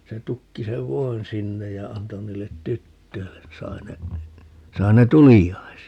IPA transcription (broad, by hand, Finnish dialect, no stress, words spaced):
se tukːi seʋ ʋoin sinːej jɑ ɑnto niːlːet tytːøilːen ni sɑi ne sɑi ne tulijːɑi̯siɑ